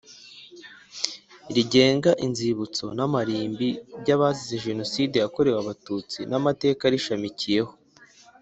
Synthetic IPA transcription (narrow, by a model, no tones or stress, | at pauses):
ɾiɟe̞ːŋɡaʔinziβut͡so̞̰namaɾiːmbiɾɟaβazizeʒe̞no̞side̞jako̞ɾe̞waβatut͡sinamate̞ːkaɾiʃamicije̞ho̞